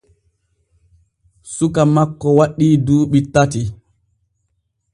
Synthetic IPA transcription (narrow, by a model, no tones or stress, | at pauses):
sukamakːɔwaɗːiːduːɓitːati